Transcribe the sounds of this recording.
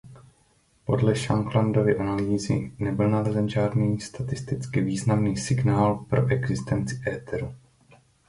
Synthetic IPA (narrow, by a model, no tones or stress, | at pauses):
po̞dlɛʃaŋɡlando̞vɪʔanaliːzɪ̰nɛbɪlnalɛzɛnʒaːdniːst̪at̪ɪst̪ɪt͡skɪviːznamniːsɪɡnaːlpɾo̞̰ʔɛɡzɪst̪ɛnt͡sɪ̥ʔɛːt̪ɛɾu